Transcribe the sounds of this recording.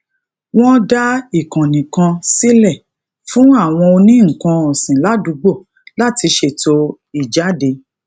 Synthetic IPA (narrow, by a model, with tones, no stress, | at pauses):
w̃ɔ̃˦da˦i˦˨kã˨nĩ˨kã˧si˦lɛ˦˨ | fũ˨˦a˦˨w̃ɔ̃˧o˧nĩ˦ŋ̩˨kã˧ɔ˨sĩ˨la˨˦du˨˧ɡ͡bo˦˨ | la˦˨ti˧ʃe˦˨to˧ | i˨d͡ʒa˨˦de˧